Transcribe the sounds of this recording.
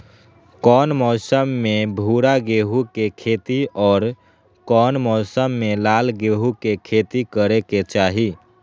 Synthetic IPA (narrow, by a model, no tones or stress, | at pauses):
kɔːnmɔːsəmːẽbʱuːɾaɡeːɦukekʰeːt̪iʔɔːɾ | kɔːnmɔːsəmːelaːlɡeːɦukekʰeːt̪ikəɾeket͡ʃaːɦi